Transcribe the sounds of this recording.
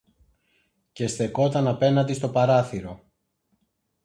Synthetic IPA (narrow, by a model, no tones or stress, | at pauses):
ce̞st̪e̞ko̞t̪ɐnɐpe̞nɐt̪ist̪o̞pɐɾɐθiɾo̞